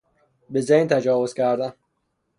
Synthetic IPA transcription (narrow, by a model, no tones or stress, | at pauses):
bezejnt̪ʰæd͡ʒɒːvozcʲʰæɾd̪æn